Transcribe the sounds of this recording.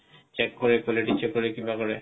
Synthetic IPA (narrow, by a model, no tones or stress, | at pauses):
t͡ʃekːoɾekɔleʈit͡ɕʰːekːoɾekĩmbakoɾe